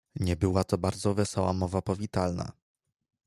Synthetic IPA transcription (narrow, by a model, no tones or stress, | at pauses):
ɲɛbɘwat̪ɔbaɾd̪zɔvɛsɔwamɔvapɔvʲit̪alna̰